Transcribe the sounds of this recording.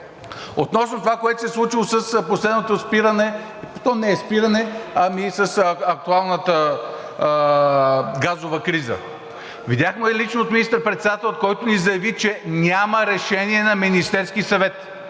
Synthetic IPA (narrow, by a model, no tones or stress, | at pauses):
ot̪nɔsnot̪ovakoɛt̪osɛslˠut͡ʃilˠosəsposlɛd̪not̪ospiɾənɛ | t̪ɔnɛɛspiɾənɛɐmisəsɐk̚t̪ualˠnət̪ə | ɡazovəkɾizə̰ | vid̪ʲaxmɛɛlit͡ʃnoot̪minist̪əɾpɾɛt̪sɛd̪at̪ɛlʲˠot̪kɔjt̪onizɐjɐvit͡ʃɛnʲaməɾɛʃɛniɛnɐminist̪ɛɾskisɐvɛt̪